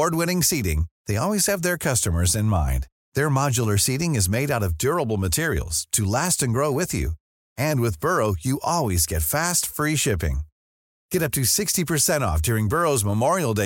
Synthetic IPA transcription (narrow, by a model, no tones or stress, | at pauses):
ɔɹd̚wɪ̃ñɪ̃ŋsiɾɪ̰̃ŋðeɪɔlˠwiz̥ɨvðə˞kʰʌstɨmə˞zɨ̃nmã̰ɪ̃n | ðə˞mɑd͡ʒl̩ˠə˞siɾɪ̃ŋɨzmeɪɾaʊɾʌvdʊɹəbl̩ˠmətʰɪɹḭl̩ˠz̥tʰɨlæstɨ̃nɡɹoʊwɪðjʉ̰ | ɨ̃nwɨðbɜ˞oʊjɨʔɔlˠwizɡɛtfæstfɹiʃɪpɪ̰̃ŋ | ɡ̥ɛɾʌp̚tʰɨsɪkstipʰə˞sɛ̃ɾ̃ɔ̰fd̥ʊɹɪ̃ŋbɜ˞oʊzməmɔɹil̩ˠde